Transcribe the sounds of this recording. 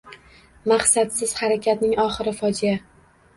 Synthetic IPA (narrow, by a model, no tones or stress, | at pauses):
maχsat̪sɪz̥haɾakʲʰat̪nɪŋɒχɪɾɪfɒd͡ʒija